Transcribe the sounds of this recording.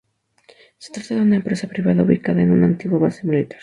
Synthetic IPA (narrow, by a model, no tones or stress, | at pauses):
se̥t̪ɾat̪aðeunɐempɾesapɾiβaðauβikaðaenunant̪iɣwoβasemilit̪ḁɾ